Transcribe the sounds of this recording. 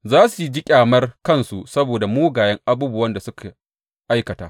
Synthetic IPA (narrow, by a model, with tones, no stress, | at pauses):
zaː˦su˨˦d͡ʒi˦kʲʼaː˨mɐ˦rkɐ˦˨nsu˨sɐ˦boː˨da˨moː˦ɡaː˨jɐ˦ŋʔa˦buː˦bʊ˦wɐ˦nda˨sʊ˦ka˨ | ʔa˦jkɐ˨taː˦ʔ